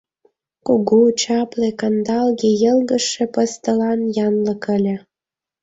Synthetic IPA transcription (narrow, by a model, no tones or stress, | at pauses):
kuɣut͡ɕɑplekɑnd̪ɑlɣejəlɣəʃĕpə̆st̪ə̆lɑnjɑnləkə̆lʲĕ